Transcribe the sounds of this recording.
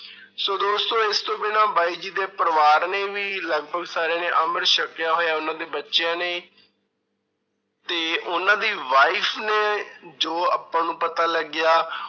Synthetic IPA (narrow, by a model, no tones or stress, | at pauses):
soːd̪oːst̪õːɪst̪õːbɪnãːbaːiːd͡ʒiːd̪eːpəɾəʋaːɾneːʋiːləɡ̚bʱəɡsaːɾeːnẽːʔəməɾʃəkjaːɦoːjaːʊnãːd̪eːbətːʃɪjãːneː | t̪eːʔʊnãːd̪iːʋaːiːpʰneːd͡ʒoːaːpːãːnũːpət̪aːləɡɪjaː